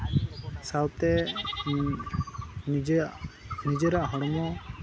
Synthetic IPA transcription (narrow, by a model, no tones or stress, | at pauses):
sawt̪ɛ | nid͡ʒʔnid͡ʒɛɾaʔɦɔɽɔmɔ